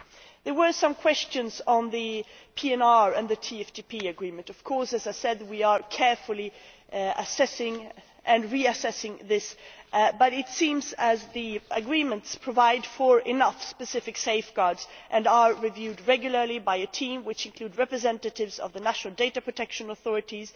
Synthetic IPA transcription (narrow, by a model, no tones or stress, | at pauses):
ðə˞wə˞sʌ̃mkʰw̥ɛst͡ʃɨ̃nzn̩ðɨ | pʰiɛ̃nɑɹɨ̃nðɨtʰiɛftʰipʰiɨɡɹĩmɨ̃ntʌv̥kʰɔɹsɨzaɪsɛd̚wiə˞kʰɛɹfəl̩ˠi | ə̰sɛsɪ̃ŋ | ʔɨ̃nɹiɨsɛsɪ̃ŋðɪsbʌɾɪtsĩmzɨzðiʔəɡɹĩmɨ̃ntspʰɹ̥əvaɪdfə˞ʔɪnʌfspɨsɪfɨkseɪfɡ̥ɑɹdz̥ʔɨ̃nə˞ɹivjʉdɹɛɡjl̩ˠə˞lˠibaɪɨtʰĩmwɨt͡ʃɨ̃nkʰl̥ud̚ɹɛpɹɨzɛ̃ntɨɾɪvzʌ̰vðɨnæʃn̩l̩ˠdeɪɾɨpʰɹ̥ɨtʰɛkʃɨ̃nəθɔɹɨɾiz̥